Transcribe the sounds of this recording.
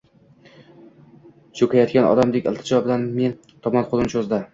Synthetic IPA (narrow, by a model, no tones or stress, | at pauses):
t͡ʃʰokʰʲajɒt̪kʲanɒ̰d̪amd̪ekʲɪlˠt̪ʰɪ̥d͡ʒɒɒbd̪anme̞n | t̪ʰɒmɒnqʰolˠɪmt͡ʃʰozd̪a